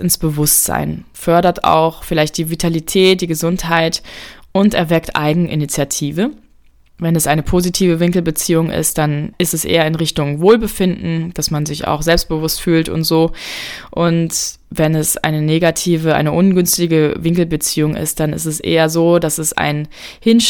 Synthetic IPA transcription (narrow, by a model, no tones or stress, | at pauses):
ɪnsb̥əvʊstz̥a̰ɪnfœɐɾɐtʰa̰ʊxfɪlaɪçt̚d̥iːvitʰalitʰɛːt̚d̥iːɡəzʊnthaɪtʔʊntɛɐvɛktʔa̰ɪɡŋ̩ʔinit͡sjatʰiːvə | vɛnɛsʔaɪnəpʰoːzitʰiːvəvɪŋkl̩bət͡siːʊŋʔɪ̰st̚d̥anɪstɛsʔḛːɐɪnʁɪçtʊŋvoːlbəfɪndn̩d̥asmanzɪça̰ʊxz̥ɛlpst̚b̥əvʊstfyːltʊ̰ntz̥oːʔʊnt | vɛnɛsʔa̰ɪnəneːɡatʰiːvəʔa̰ɪnəʔʊnɡʏnstɪɡəvɪŋkl̩bət͡siːʊŋʔɪ̰st̚d̥anɪ̰stɛsʔḛːɐzoːdasɛsa̰ɪnhɪn